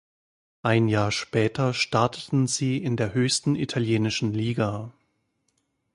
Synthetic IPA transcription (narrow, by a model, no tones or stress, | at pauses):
ʔaɪnjaːɐʃpɛːtʰɐʃtaɐtʰətn̩ziːʔɪndeːɐɦøːçstn̩ʔitʰaljeːnɪʃn̩liːɡa